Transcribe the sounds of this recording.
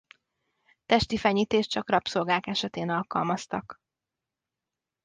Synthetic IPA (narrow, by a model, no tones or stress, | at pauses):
t̪ɛʃt̪ifɛɲiːt̪eːʃt͡ʃɒkrɒpso̞lɡaːkɛʃɛt̪eːnɒlkɒ̰lmɒst̪ɒk